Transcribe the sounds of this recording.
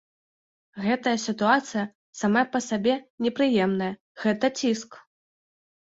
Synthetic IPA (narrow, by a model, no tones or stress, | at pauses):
ɣɛt̪ɐjɐsʲit̪uat̪sɨjɐ | samapɐsabʲɛnʲɛpɾɨjɛmnɐjɐ | ɣɛt̪ɐt͡sʲisk